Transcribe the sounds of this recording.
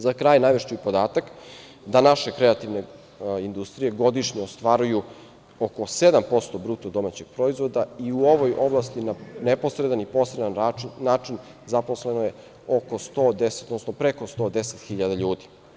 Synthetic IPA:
zakɾaːjnajʋeʃt͡ɕeipo̞d̪aːt̪ak | d̪anaʃe̞kɾeat̪iʋne | ind̪ust̪ɾije̞ɡo̞d̪iʃɲeost̪ʋaɾuju | oko̞se̞d̪ampo̞st̪o̞bɾut̪od̪o̞mat͡ɕe̞ɡ̥̚pɾo̞izʋo̞d̪aiuo̞ʋojo̞blˠast̪inanepo̞sɾed̪anipo̞sɾed̪annaːt͡ʃin | zapo̞slenoje | o̞ko̞st̪oːd̪ese̥t̪od̪nosnopɾeko̞st̪o̞d̪e̞set̪xiʎad̪aʎuːd̪i̥

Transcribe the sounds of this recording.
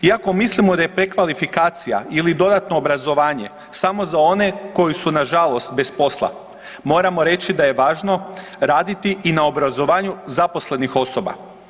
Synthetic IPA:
iako̞mislimod̪aje̞pɾe̞kʋalifikaːt̪sija̰ilid̪o̞d̪at̪no̞ːbɾazo̞ʋaːɲe̞̰ | samo̞zao̞ne̞ko̞jisunaʒalˠo̞st̪̚be̞spo̞slˠa̰ | mo̞ːɾamo̞ɾe̞t͡ɕid̪aje̞ʋaːʒno̞ | ɾaːd̪it̪iʔinaobɾazo̞ʋaːɲuzapo̞sle̞nixo̞so̞ba̰

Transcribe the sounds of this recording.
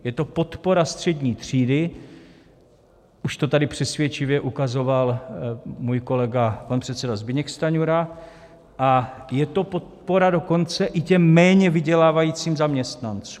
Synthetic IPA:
jɛt̪o̞po̞t̪po̞ɾast̪r̝̥ɛdɲiːt̪r̝̥iːdɪ | ʔuʃt̪o̞t̪adɪpr̝̥ɛsvjɛt͡ʃɪvjɛʔukazo̞val | muːjko̞lɛɡapanpr̥ɛt̪t͡sɛdazbɪɲɛkst̪aɲuɾa | ʔajɛt̪o̞po̞t̪̚po̞ɾado̞ko̞nt͡sɛʔɪcɛmːɛːɲɛvɪɟɛlaːvajiːt͡siːmzamɲɛst̪nant͡su

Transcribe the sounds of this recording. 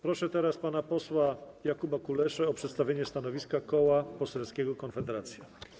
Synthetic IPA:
pɾɔʂɛt̪ɛɾaspanapɔswajakubakulɛʂɛɔpʂɛt̪st̪avʲjeɲɛst̪anɔvʲiskakɔwapɔsɛlskʲɛɡɔkɔnfɛd̪ɛɾat̪sʲja

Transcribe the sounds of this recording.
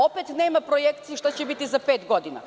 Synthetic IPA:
opet̪neːmapɾojek̚t̪siiʃt̪at͡ɕɛbit̪izapeːt̪ɡod̪ina̰

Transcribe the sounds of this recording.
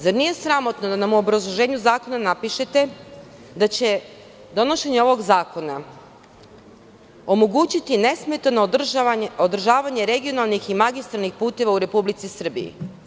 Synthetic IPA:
zaɾnije̞sɾamo̞t̪nod̪anamuobɾazlˠoʒe̞ːɲuzaːko̞nanapiʃe̞t̪e̞ | d̪at͡ɕe̞ | d̪o̞no̞ʃe̞ɲeo̞ʋo̞ɡzaːko̞na | o̞mo̞ɡuːt͡ɕit̪ine̞smet̪ano | od̪r̩ʒaːʋaɲe̞ɾe̞ɡio̞nalˠniximaɡist̪ɾalnixpuːt̪e̞ʋauɾe̞publit̪sisr̩bḭḭ

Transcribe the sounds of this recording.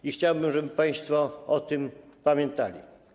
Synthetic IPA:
ixt͡ɕawbɘmʐɛbɘpaj̃st̪fɔɔt̪ɘmpamʲjɛnt̪alʲḭ

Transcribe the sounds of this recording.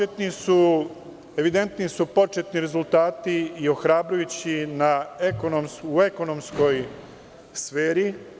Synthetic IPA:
et̪nisu | e̞ʋid̪e̞nt̪nisupo̞t͡ʃe̞t̪niɾe̞zult̪aːt̪iːo̞xɾaːbɾujut͡ɕinaekonomsue̞ko̞no̞msko̞j | sfeːɾi

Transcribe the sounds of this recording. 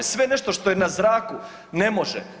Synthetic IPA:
esʋe̞neʃt̪o̞ʃt̪ojenazɾaːku | nemo̞ʒḛ

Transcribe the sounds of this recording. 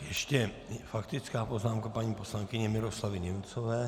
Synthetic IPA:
jɛʃcɛ | fakt̪ɪt͡skaːpoznaːmkapaɲiːposlaŋkɪɲɛmɪɾoslavɪɲɛmt͡sovɛː

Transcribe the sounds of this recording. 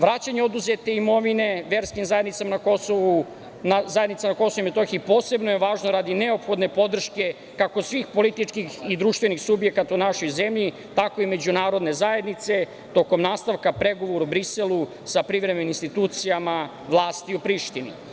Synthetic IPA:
ʋɾaːt͡ɕaɲeo̞d̪uzet̪e̞imo̞ʋine̞ʋe̞ɾskimzajed̪nit̪samanakosoʋu | nazajed̪nit̪samanako̞sooimet̪oxipo̞ːse̞bnojeʋaːʒnoɾad̪ine̞opxo̞d̪ne̞pod̪r̩ʃke̞ | kako̞sʋiːxpo̞lit̪it͡ʂkixid̪ɾuːʃt̪ʋe̞nixsubje̞kat̪aunaʃo̞jze̞mʎi | t̪ako̞ime̞d͡ʑunaːɾo̞d̪ne̞zaje̞d̪nit̪se̞ | t̪o̞ko̞mnaːst̪aʋkapɾe̞ɡo̞ʋoɾubɾise̞lu | sapɾiʋɾemenininst̪it̪uːt̪sijama | ʋlˠaːst̪iupɾiʃt̪inḭ

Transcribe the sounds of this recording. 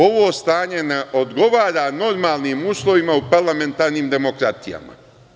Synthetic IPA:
o̞ʋo̞ːst̪aːɲe̞neʔo̞d̪ɡo̞ʋaːɾano̞ɾmaːlˠniːmuːslˠo̞ʋimaupaɾlˠame̞nt̪aːɾniːmd̪e̞mo̞kɾat̪ija̰ma̰

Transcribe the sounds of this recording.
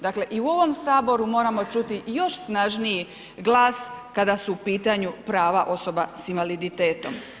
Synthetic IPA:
d̪akle̞ʔiuo̞ʋo̞msaːbo̞ɾumo̞ːɾamo̞t͡ʃut̪ijo̞ʃsnaʒniji | ɡlˠaːskad̪asuːpiːt̪aɲupɾaːʋaʔo̞so̞basinʋalid̪it̪e̞ːt̪o̞m

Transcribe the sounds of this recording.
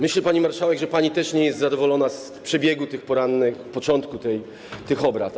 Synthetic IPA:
mɘɕlɛpaɲimaɾʂawɛɡʐɛpaɲit̪ɛʂɲɛjɛst̪zad̪ɔvɔlɔnas | pʂɛbʲjɛɡut̪ɘxpɔɾanːɘxfpɔt͡ʂɔnt̪kut̪ɛj | t̪ɘxɔbɾa̰t̪

